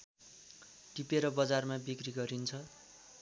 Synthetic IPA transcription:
ʈipeɾʌbʌd͡zarmabikriɡʌɾint͡sʰʌ

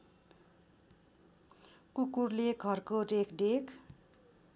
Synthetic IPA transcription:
kukurleɡʱʌrkoɖekʰɖekʰ

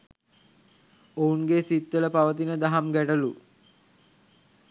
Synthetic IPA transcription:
ounɡesit̪ːələpaʋət̪̬inəd̪aɦamɡæʈəlu

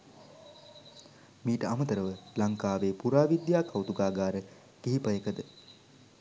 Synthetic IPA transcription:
miːʈəamət̪əɾəʋəlaŋkaːʋeːpuɾaːʋid̪jaːkʰawt̪uɡaːɡaːɾə | ɡ̥iɦipəjekəd̪ə

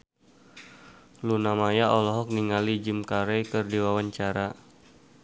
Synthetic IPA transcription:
lunamajaɔlɔɦɔk̚niŋalid͡ʒimkaɾɛjkərdiwawaɲt͡ʃaɾa

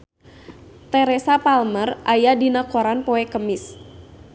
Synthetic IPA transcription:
t̪ɛɾɛsapalmərʔajadinakoɾanpɔɛkəmɪs

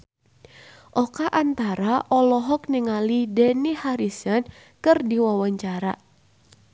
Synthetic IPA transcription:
ʔɔkaʔant̪aɾaʔɔlɔɦɔk̚niŋalidɛnihaɾisan | kɨrdiwawaɲt͡ʃaɾa̰

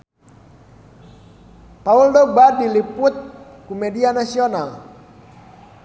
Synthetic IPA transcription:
pauldɔbadiliput̪̚ | kumɛdianasional

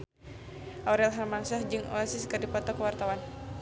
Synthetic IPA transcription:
ʔaɾɛlɦamaŋsahd͡ʒɨŋo̰asiskardipɔt̪ɔkəwart̪awan

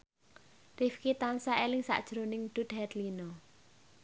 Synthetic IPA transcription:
rifkit̪ansaelɪŋsa̰ʔd̥ʒ̥ɾonɪŋɖ̥ṳd̪hɛt̪linɔ

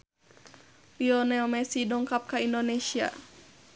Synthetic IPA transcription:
liɔnɛlmɛsidɔŋkap̚kaindonesia̰

